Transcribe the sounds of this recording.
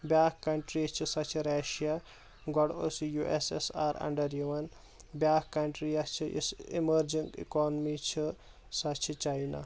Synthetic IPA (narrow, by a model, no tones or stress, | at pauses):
bʲjaːkkɐɳʈɾit͡ʃʰisɐt͡ʃʰiɾaʃija | ɡɔɽo̰sijuʔesḛsaːɾɐ̰ɳɖɐɾjiʋɐn | bjaːkkɐɳʈɾijɐt͡ʃʰiḭsiməɾd͡ʒiŋɡḭkɔːnmit͡ʃʰi | sɐt͡ʃʰit͡ʃajna̰